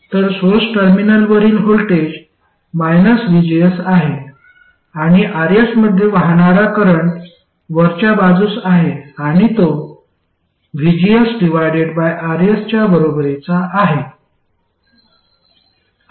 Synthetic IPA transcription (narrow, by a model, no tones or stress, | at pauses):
t̪əɾsosʈəɾminəlʋəɾiːlɦolʈed͡ʑ | majnəsʋid͡ʑijəsaɦe | aɽ̃iʔaɾesməd̪ʱjeʋaɦɳaɾakəɾəɳʈ | ʋəɾt͡ɕabad͡zuːsaɦeaɽ̃it̪o | ʋid͡ʑiəsɖiʋ̤ajɖeɽbajʔaɾest͡ɕjabəɾobɾet͡saʔːɦe